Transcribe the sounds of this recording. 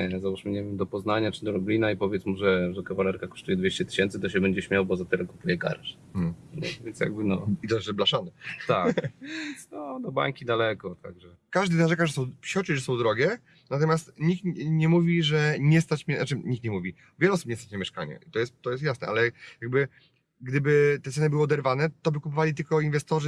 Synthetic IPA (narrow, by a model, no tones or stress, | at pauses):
ɛzawaʂmɘɲɛvʲɛmd̪ɔpɔznaɲat͡ʂɘd̪ɔlublʲinaipɔvʲjɛt̪smuʐɛʐɛkavalɛɾkakɔ̥ʂt̪ujɛd̪vʲeɕt͡ɕɛt̪ɘ̥ɕɛnt̪sɘt̪ɔɕɛbɛɲd͡ʑɛɕmʲjawbɔzat̪ɛlɛkupujɛɡa̰ɾʂ̩ | ɲɛ̰vʲjɛnsja̰ɡbɘnɔit̪ɔʐɛblaʂanɛt̪aknɔd̪ɔba̰ŋkʲid̪alɛkɔt̪a̰ɡʐɛ | kaʐd̪ɘznaʐɛkaʐɛsɔ̃wpɕɔt͡ʂiʐɛsɔ̃w̃d̪ɾɔɡʲɛ | nat̪̬ɔmʲjast̪ɲik̚t̪ɲɛmuvʲiʐɛɲɛst̪at͡ɕmɛnat͡ʂɘɲikt̪ɲɛmuvʲi | vʲɛluɔsu̥pɲɛst̪at͡ɕnamʲjɛʂka̰ɲɛ̰ʔit̪ɔjɛst̪t̪ːɔjɛst̪jasnɛ̰ʔalɛjaɡ̚bɘ | ɡd̪ɘbɘt̪ɛt̪sɛnɨbɘwɨɔd̪ɛɾvanɛt̪ɔbɘkup̬ɨvalʲit̪ɘlkɔinvɛst̪ɔʐɘ